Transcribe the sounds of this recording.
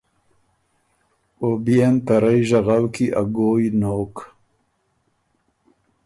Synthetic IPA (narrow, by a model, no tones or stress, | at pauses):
obijent̪aɾajʒaɣawkiʔa̰ɡoːjnoːk